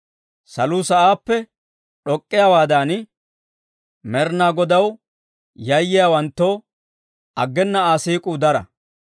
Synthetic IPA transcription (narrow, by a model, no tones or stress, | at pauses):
sɐluːsɐʔaːpːɛ | ᶑɔkʼːɪjaːwaːd̪aːn | mɛɾnaːɡɔd̪ɐw | jɐjːɪjaːwɐnt̪ːoː | ʔɐɡːɛnːɐaːsiːkʼud̪ɐɾɐ̰